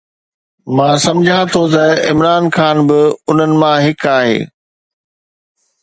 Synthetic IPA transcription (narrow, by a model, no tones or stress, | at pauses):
mãːsɐ̃md͡ʑʱãt̪ʰot̪ɐɪmɾaːnxaːnbɪʊn̤ənɪ̆mãɦɪkaːɦḛː